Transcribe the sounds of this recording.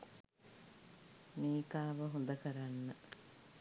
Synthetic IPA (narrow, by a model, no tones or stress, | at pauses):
miːkaːʋɐɦund̪ɐkɐɾanːɐ